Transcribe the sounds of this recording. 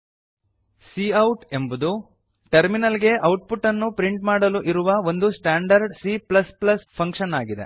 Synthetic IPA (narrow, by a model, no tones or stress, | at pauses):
siːɐwʈe̞mbud̪u | ʈɐɾminɐlɡe̞ʔɐwʈ̚puʈːɐnːupɾiɳʈmaːɽɐluʔiɾuʋɐo̞nd̪usʈaːɳɖɐɾɖsiːplɐsplɐspʰɐŋkʂɐnaːɡid̪e̞̰